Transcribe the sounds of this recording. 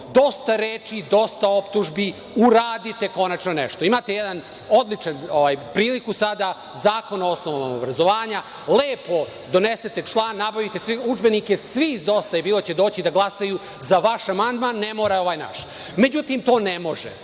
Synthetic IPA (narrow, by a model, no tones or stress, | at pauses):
d̪o̞st̪aɾeːt͡ʃid̪o̞st̪ao̞pt̪uʒbi | uɾaːd̪it̪e̞ko̞nat͡ʃnonɛʃt̪o̞imat̪e̞jɛd̪an | o̞d̪lit͡ʂanoʋajpɾiːlikusad̪a | zaːko̞naosnoʋomomobɾazo̞ʋaːɲa | leːpo̞ | d̪o̞neset̪e̞t͡ʂlˠaːnːabaʋit̪e̞sʋiud͡ʒbe̞nike̞sʋizd̪o̞st̪ajebiːlot͡ɕid̪o̞ːt͡ɕid̪aɡlˠasaju | zaʋaʃamand̪manːemoːɾao̞ʋaːjna̰ʃ | me̞d͡ʑut̪imt̪o̞ːnemo̞ʒɛ̰